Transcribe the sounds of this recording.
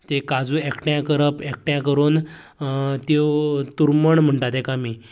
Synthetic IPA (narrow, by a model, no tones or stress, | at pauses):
t̪ekad͡zũːekʈjãkəɾəpek̚ʈjãkəɾuːn | t̪it̪uɾməɳm̤əɳʈat̪ẽkamiː